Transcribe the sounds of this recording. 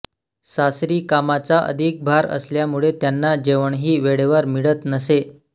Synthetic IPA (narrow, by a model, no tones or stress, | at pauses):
sasɾiːkamat͡saʔə̰d̪ʱik̚bʱaɾə̰sljamuɭet̪janːad͡ʑeʋəɳɦiːʋeɭeʋəɾmiɭət̪nəse